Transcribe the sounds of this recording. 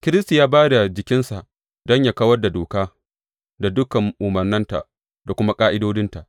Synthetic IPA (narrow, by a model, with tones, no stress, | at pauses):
kʲɪ˦ɾɪ˦sta˨jaː˦baː˦da˨d͡ʒɪ˨kʲɪ˦nsa˨ʔ | dɔ˦ɲjaː˦kɐ˦wɐ˦rda˨doː˨kaː˦ | da˨dʊ˦kɐ˨ŋʔʊ˨mɐ˨rnɪ˦nta̰˨ʔ | da˨kʷʊ˦ma˦kʼaː˦ʔɪ˦doː˦dɪ˦nta˨ʔ